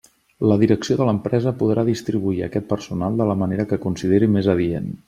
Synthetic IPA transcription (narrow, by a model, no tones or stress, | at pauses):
ləðiɾəksioðələmpɾɛzəpuðɾʔaðist̪ɾiβuiə̰kɛt̪̚pərsunalˠd̪ələməneɾəkəkunsið̞eɾimezəβiḛn